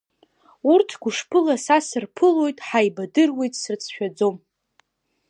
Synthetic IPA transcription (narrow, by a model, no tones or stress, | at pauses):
urtʰɡʷʊʂpʰɨlasasɨrpʰɨlo̞jtʼħajbadɨrwe̞jtʼsɨrt͡sʰʃᶣad͡zo̞m